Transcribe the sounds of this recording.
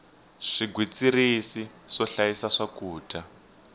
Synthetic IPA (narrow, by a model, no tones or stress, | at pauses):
ʂiɡʱwit͡sirisiʂɔɬajisaʂakuːtʰʼa